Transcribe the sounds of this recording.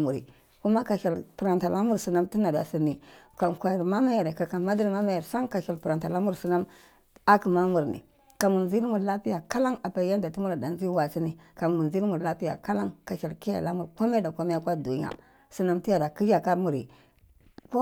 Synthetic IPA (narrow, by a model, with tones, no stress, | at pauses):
mu˨ɾḭ˨ | ku˦ma˦ka˨ʃa˨lpu˨ɾa˨nta˨la˦mu˦ɾsi˨na˦mti˦na˨da̰˨si˨ni˨ka˨kʷa˨ma˦ma˦ja˨ɾe˨ka˨ka˨ma˦di˦ɾma˦ma˦ja˨ɾsa˦ŋka˨ʃa˨lpu˨ɾa˨nta˨la˦mu˦ɾsi˨na˦m | a˦ki˨ma˦mu˨ɾnḭ˨ | ka˨mu˨ɾzi˦lmu˨ɾla˦pi˦ja˨ka˦la˦ŋa˨pa˨˦ja˦nda˨ti˦mu˦ɾa˨da˨n˦zi˦wa˨si˦ni˨ka˨mu˨zi˦mu˨ɾla˦pi˦ja̰˨ka˦la˦ŋka˨ʃa˨lki˦ja̰˨la˦mu˨ɾko˦m˦e˦da˨ko˦me˦ja˦kʷa˦du˨ɲ˦a̰˨ | si˨na˦mti˦ja˨da˨ki˦d͡ʒa˨ka˦mu˨ɾḭ˨ | ko˦